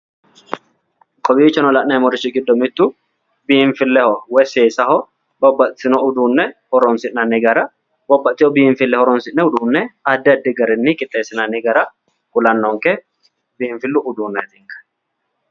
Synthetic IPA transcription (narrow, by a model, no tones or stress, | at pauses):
kʼɔbiːt͡ʃːɐnɔlɐʔnɐmɔɾɪt͡ʃːɪɡɪd̪ːɔmɪt̪ːʊ | bɪɱfɪlːɛhɔwɛseːsɐhɔ | bɔbːɐt̪sɪnɔʊd̪uːnːɛhɔɾɔnsɪʔnɐnːɪɡɐɾɐ | bɔbːɐt̪ːɪhɔbɪɪɱfɪlːɛhɔɾɔnsɪʔnɛʊd̪uːnːɛɐd̪ːɛɐd̪ːɪɡɐɾɛnːɪkʼɪt̪ʼːeːsːɪnɐnɪɡɐɾɐ | kʊlɐnːɔŋkɛ | bɪɱfɪlːʊʔʊd̪uːnːɛɛt̪ɪŋkɐ̥